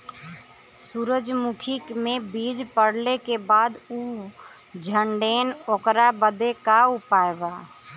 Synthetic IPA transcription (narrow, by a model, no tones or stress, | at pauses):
suɾəd͡ʒmukʰɪkmẽbiːd͡ʒpəɽlekebaːd̪uː | d͡ʒʱəɳɖeːnokɾabəd̪ekaupaːebaː